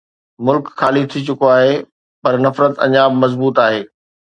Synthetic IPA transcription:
mʊlkxaːlit̪ʰit͡ɕʊkoaːɦe | pɐɾnɐfɾət̪ɐ̰̃ɲaːbmɐzbuːt̪aːɦeː

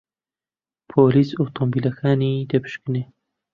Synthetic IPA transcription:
pʰoːliːsot̪ʰombiːlɐkʰaːniːd̪ɐpʰɨ̥ʃkɨne

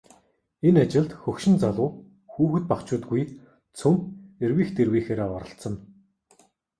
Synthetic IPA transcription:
enat͡ɕɪ̆ɮt̪xɵkʃɪ̆nt͡saɮʊː | xuːxɘ̆t̪̚pakt͡ɕʊːt̪̚ɡuj | t͡sʰɵmerwiːxt̪erwiːxeːɾeːɔɾə̆ɬt̪sə̆n

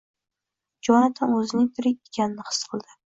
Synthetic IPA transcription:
d͡ʒɒnat̪ʰanɵzɪnɪŋt̪ʰɪɾɪkʲekʲanɪnɪhɨ̥sqʰɨlˠd̪ɪ

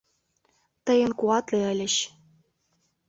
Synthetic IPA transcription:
t̪ɤ̆jə̆nkuɑt̪leə̆lʲɘ̆ɕ

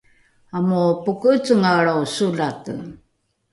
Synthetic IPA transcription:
amupukət͡suŋaɾawsuɮatə

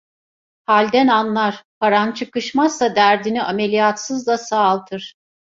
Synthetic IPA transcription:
halʲd̪ænanlˠaɾ̥pʰaɾant͡ʃʰɯkɯʃmazːad̪æɾd̪iniʔame̞lʲijat̪sɯzlˠasaːlˠt̪ʰɯɾ̥

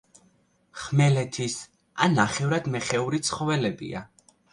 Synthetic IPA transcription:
χmɛlɛt̪ʰis | anːaχɛvɾad̪mɛχɛuɾit̪sʰχɔvɛlɛbḭa̰

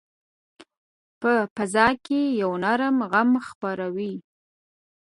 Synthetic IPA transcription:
pəpazɑkejawnaɾəmɣamxpaɾawi

